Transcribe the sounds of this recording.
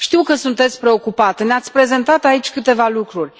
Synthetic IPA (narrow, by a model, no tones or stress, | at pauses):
ʃt̪iwkəsunt̪e̞t̪sʲpɾe̞o̞kupat̪neat̪sʲpɾe̞ze̞nt̪at̪ait͡ʃʲkɨt̪e̞valukɾurʲ